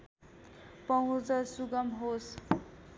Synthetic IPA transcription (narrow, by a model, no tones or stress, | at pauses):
pʌɦũt͡sʌsuɡʌmɦos